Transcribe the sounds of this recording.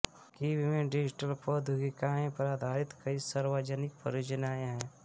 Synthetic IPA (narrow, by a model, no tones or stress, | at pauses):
kibimẽɖɪd͡ʒɪʈəlpod̪ʱuɡikaːẽpəɾaːd̪ʱaːɾɪt̪kɐisəɾwad͡ʒənɪk̚pə̰ɾoːd͡ʒənaːjeɦɛ̃ː